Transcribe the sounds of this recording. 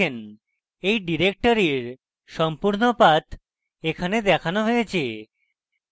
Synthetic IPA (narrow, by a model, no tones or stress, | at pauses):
en | ejɖiɾek̚ʈoɾiɾ | ʃɔmpuɾnopat̪ | ekʰaned̪ɛkʰanoɦojet͡ɕʰe